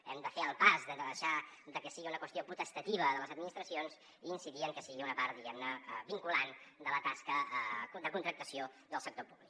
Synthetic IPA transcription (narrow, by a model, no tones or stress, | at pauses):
ɛ̰md̪əfeəlˠpazd̪ɛmd̪əðəʃad̪əkəsiɣiunəkwəst̪iopɾut̪əst̪ət̪iβ̞əðələzəd̪minist̪ɾəsionz | iːnsiðiəŋkəsiɣiunəpaɾt̪̚ðiɣɛmnəbiŋkuland̪ələt̪askəd̪əkunt̪ɾək̚t̪əsio | d̪əlˠsək̚t̪opuβlik